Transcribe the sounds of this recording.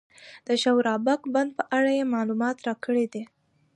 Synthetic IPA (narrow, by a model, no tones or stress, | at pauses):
d̪̥əʃawɾɑbakband̪̚pəʔaɽajemɑlumɑt̪ɾɑkəɽed̪e